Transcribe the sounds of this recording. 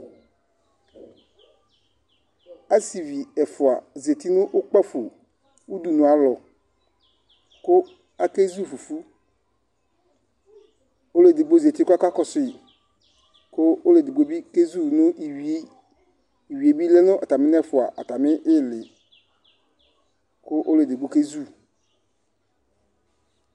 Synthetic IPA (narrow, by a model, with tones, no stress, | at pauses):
a˦si˨vi˨ɛ˨fʊ˨a˨ze˨ti˦nʊ̃˦ʔʊ˦k͡pa˦fu˨ | u˦du˨nʊ̃˨a˨˦lɔ˨ | kʊ˦ | a˦ke˦zu˦˨fu˨fu˦ | o˦le˨dɪ˨ɡ͡bo˦ze˨t̪i˦kʊ˦a˦ka˦kɔ˦sɪ˦˨ | kʊ˦o˦le˨dɪ˨ɡ͡bo˦bi˦ke˦zu˦˨nʊ̃˦ʔi˨˦ | i˨wi˨e˨bi˦lɛ˦nʊ̃˦ʔa˨ta˨mɪ˦n˦ɛ˦fʊ˨a˨ʔa˨ta˨mɪ˦ʔɪ˦˨lɪ˨ | kʊ˦ʔo˦le˨dɪ˨ɡ͡bo˦ke˦zu˦˨